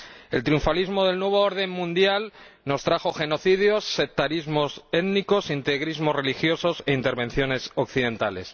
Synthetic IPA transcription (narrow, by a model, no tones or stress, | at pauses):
e̞̰lt̪ɾijuɱfalizmo̞ð̞e̞lnwe̞β̞ooɾð̞e̞mmũnd̪jalno̞st̪ɾaxo̞xe̞no̞θiðjo̞sːek̚t̪aɾizmo̞se̞t̪niko̞sint̪eɣɾizmo̞zre̞lixjo̞so̞se̞int̪e̞ɾβẽ̞n̟θjo̞ne̞sokθiðẽ̞nt̪ale̞̰s